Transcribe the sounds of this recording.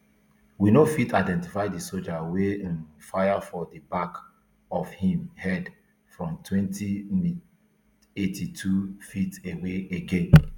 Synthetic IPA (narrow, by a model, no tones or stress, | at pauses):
winofitʰaɪdɛ̃nti̥faɪdisold͡ʒawẽnfajafɔdibak | ɔfhĩmhɛd | fɹɔ̃mtʰwɛ̃ntʰim | etʰitʰufiteweeɡẽn